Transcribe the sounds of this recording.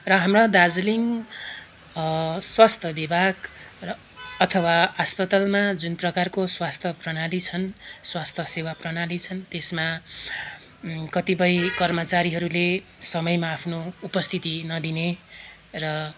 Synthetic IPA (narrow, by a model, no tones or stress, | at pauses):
rʌɦamrad̪ad͡zliŋ | swast̪ʰʌbibʱaɡ | ʌt̪ʰʌwaaspʌt̪ʌlmad͡zunprʌkarkoswast̪ʰʌprʌnalit͡sʰʌnswast̪ʰʌsewaprʌnalit͡sʰʌnt̪esma | kʌt̪ipʌjkʌrmʌt͡saɾiɦʌɾulesʌmʌjmaːpʰnoupʌst̪ʰit̪inʌd̪ine | rʌ